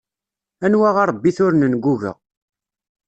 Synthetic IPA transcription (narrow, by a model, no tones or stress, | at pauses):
ænwaʁɑɾˤbːiθʊɾnənɡuʝə̰ʁ